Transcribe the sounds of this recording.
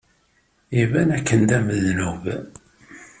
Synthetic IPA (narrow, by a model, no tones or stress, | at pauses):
ivænækːənd̪æməðnuv